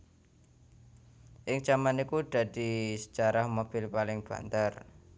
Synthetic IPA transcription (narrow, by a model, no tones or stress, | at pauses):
ʔɪŋt͡ʃamanikud̪̥a̤d̪̥isə̥t͡ʃaɾahmob̥ɪlpalɪŋb̥a̤̰nt̪ar